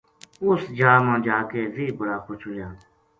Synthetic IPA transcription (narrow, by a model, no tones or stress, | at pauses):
ʊsd͡ʒaːmãːd͡ʒaːkeːziːbəɽaːkʊt͡ʃʰɦʊːjaː